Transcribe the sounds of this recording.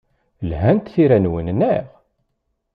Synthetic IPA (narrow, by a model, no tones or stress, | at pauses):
lɦænt̪θiɾænwənnæʁ